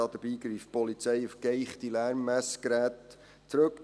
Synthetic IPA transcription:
ɑd̥əb̥iːɡɾiːfpɔlit͡sɛɪufɡ̥eɪχt̪ilæːɾmːæskɾæːt | t͡sːɾɵk

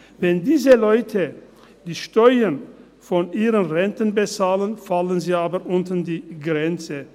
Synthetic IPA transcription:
vɛndiːzəlɔʏtʰə | d̥iːʃtɔʏən | fɔnʔiːʁənʁɛntənbət͡saːlənfalənziːaːbɐʔʊntən̩diːɡʁɛnt͡sə

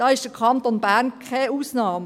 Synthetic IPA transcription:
d̥ɑːɪʃd̥əkʰɑnt̪onbæʁnkʰɛuːsnɑːm

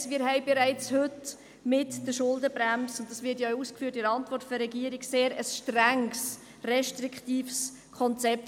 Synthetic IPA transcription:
sʋiːɾɦɛɪbɪɾæɪt͡shɵt | mɪtd̥əʃʊldəbɾæmsʊnt̚ːɑsvʋɪtjouːskfyːɾtɪɾɑntvɔrtfɔɾɛɡiːəɾɪɡseːɾəsʃtɾæŋs | rɛʃtriktiːfs | kʰɔnt͡sɛp̚

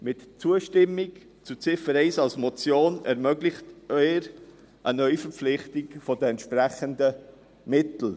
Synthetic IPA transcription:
mɪtt͡suəʃtɪmːɪk | t͡sut͡sɪfəɾɛɪsɑlsmɔt͡sjoːnɛɾmœɡlɪχtœʏɾ | ʔənœʏfəɾflɪχtɪkfɔdəɛnt̪ʃpræχəndə | mɪtl̩

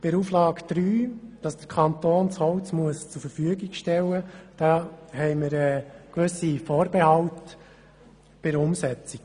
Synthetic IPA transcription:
b̥ɪɾuflɑːkd̥̪ɾyːd̥ɑsd̥̪əɾkʰɑnt̪oːnt͡shɔwt͡smuəst͡suɾfəɾfyəɡiɡʃtɛlːəd̥ɑːhɛɪməɾɛːkʋɵsifoːɾbehɑlt | b̥ɪɾʊmsɛt͡si

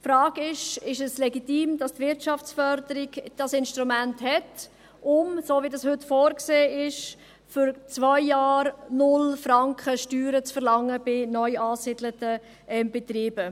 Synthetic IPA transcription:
fɾɑːɡɪʃɪʃɛslɛɡitiːmdɑstvɪɾtʃɑft͡sfœɾdəɾɪɡd̥ɑsɪnʃtɾumænthɛt | ʔʊmsoːvidɑshɵtfoːɾkseːɪʃ | fʏɾt͡svaɪːɑːɾnʊlfɾɑŋkχəʃtyːɾət͡sfəɾlɑŋːəb̥ɪnœʏɑːsɪd̥lətə | ʔɛmbɛt̪ɾiːb̥ə

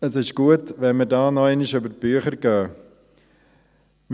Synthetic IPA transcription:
əsɪʃɡ̥uətʋɛnmədɑːnɔaɪnɪʃʏbəɾ̚b̥yəχəɾɡœː | m

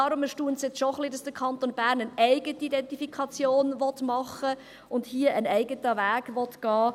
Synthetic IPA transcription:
ɑɾʊməʃtuːənsjɛt͡sʃoχlidɑsd̥əkʰɑntonbæːɾnənæɪɡətiidɛntifikʰɑt͡sjoːnʋɔtmɑχə | ʊndhiəʔənæɪɡətəʋæːɡʋɔtɡ̥ɑː

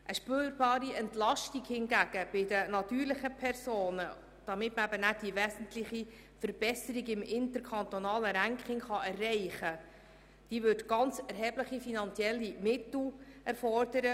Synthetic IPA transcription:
ʔəʃpøːɾbɑːɾiɛntlɑʃtiɡhɪnɡæɡ̥əb̥ɪdənɑt̪yːɾlɪχəpʰɛrsoːnə | d̥ɑmɪtməæbənæd̥ivɛːsən̩tlɪχi | fəɾbɛsəɾiɡɪmɪnt̪əɾkʰɑnt̪onɑːləɾæŋkχɪŋχɑɛrːɛɪχə | d̥iːvɵrdɡ̥ɑnt͡sɛɾɦɛːbləχifinɑnt͡sjɛlːimɪtl̩ɛɾfɔrdəɾə

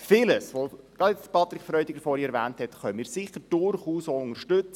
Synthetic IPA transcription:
fɪləsʋoɡ̥ɾɑd̥jɛt͡sdpʰɑt̪ɾɪkfɾœʏdɪɡəɾfɔɾiɛɾʋæːnthɛtχœnəmiːɾsɪχəɾd̥ʊɾχuːsoʊŋəɾʃtʏt͡s

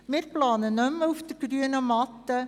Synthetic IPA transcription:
mɪːɾplɑːnənɵmːəufd̥̪əɾɡ̥ɾyənəmɑt̪ːə

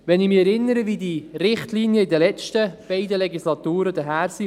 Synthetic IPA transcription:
ʋɛnɪmɪɛɾɪnːəɾəvid̪irɪχtliːnjəɪd̪əlɛt͡ʃtəb̥ɛɪd̪əlɛɡislɑt̪uːɾəd̪əɦæːɾsi

